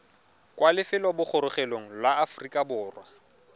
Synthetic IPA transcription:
kʼwalɪfɪlwabʊk͡xʰʊɾʊχeloŋ̩lwaːfrikʼabʊːrwa

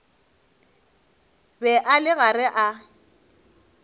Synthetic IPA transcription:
bɛʔalɪɣarɛʔa

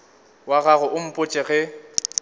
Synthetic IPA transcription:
waɣaɣʊʔʊm̩pʼʊt͡ʃʼɛɣɛ

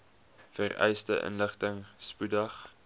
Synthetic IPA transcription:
fərɛ̰jstəʔə̰nləχtəŋspudɐχ

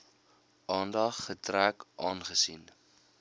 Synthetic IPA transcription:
ʔɑːndɐχːətrækʔɑːnχəsin

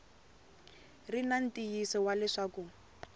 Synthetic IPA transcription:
rinan̩tijisɔwalɛʂaːku

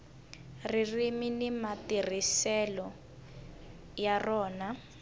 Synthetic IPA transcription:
ririminimatirisɛlɔ | jarɔːna

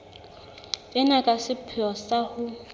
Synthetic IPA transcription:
ɪnakʼasɪpʰɪɔsahʊ

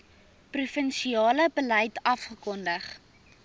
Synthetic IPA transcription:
prufənʃiɑːləbələjtɐfχəkɔndəχ

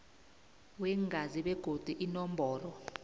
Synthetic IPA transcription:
wɛŋɡʱaziɓɛɡ̥ʱod̥ʱuʔinɔmbʱɔːlɔ

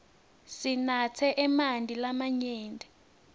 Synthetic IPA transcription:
sinat͡sʰɛʔɛmandʱilamaɲɛːndʱɛ

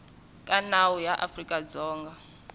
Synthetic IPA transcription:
kʼanawujaʔafrikʼad͡zɔːŋɡa

